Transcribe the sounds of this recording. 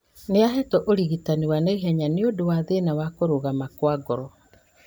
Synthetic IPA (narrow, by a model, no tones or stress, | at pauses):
neaɦɛtɔʔoɾiɣitaniwaneiɦɛɲaneodowaðenawakoɾoɣamakwaɡɔɾɔ